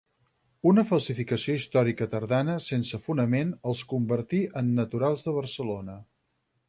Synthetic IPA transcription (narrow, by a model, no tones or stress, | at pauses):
unəfəlˠsifikəsioist̪ɔɾikət̪əɾðanəsensəfunəmenəlˠskumbəɾt̪iʔənːət̪uɾalˠzðəβ̞ərsəlonə